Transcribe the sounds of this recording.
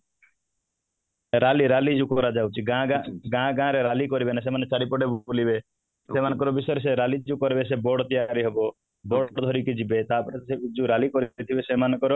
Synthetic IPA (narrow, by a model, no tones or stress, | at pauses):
ɾaliɾalid͡ʒukɔɾad͡ʒawt͡ʃʰiɡãɡãɡãɡãɾeɾalikɔɾibenas̬emanet͡ʃaɽipɔɽebolibe | semanɔ̃ŋkɔɾɔbisɔjɾes̬eɾalid͡ʒukɔɾebes̬ebɔɽɔt̪ijaɾiɦɔbɔ | bɔɽɽɔd̪ʱɔɾikid͡ʒibet̪apɔɾesed͡ʒuɾalikɔɾit̪ʰibesemanɔ̃kɔɾɔ